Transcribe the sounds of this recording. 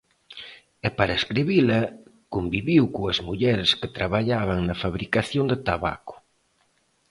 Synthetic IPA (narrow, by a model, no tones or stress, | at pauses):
ɛpaɾɐeskɾiβilɐ | kombiβiwkoɐzmuʎɛɾesket̪ɾaβaʎaβɐŋnɐfaβɾikaθjond̪et̪aβa̰ko̥